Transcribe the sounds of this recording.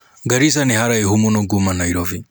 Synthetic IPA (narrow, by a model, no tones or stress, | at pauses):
ɡaɾisanihaɾaiɦumunɔɡumanaiɾɔvi